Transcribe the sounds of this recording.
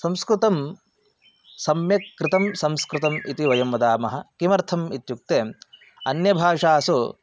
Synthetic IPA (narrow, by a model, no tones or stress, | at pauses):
sɐmskɾɪt̪ɐm | sɐmjɐkːɾɪt̪ɐmsɐmskɾɪt̪ɐmit̪iʋɐjɐmːɐd̪aːmɐɦɐkimɐɾt̪ʰɐmit̪juk̚t̪eː | ɐnjɐbʱaːʂaːsu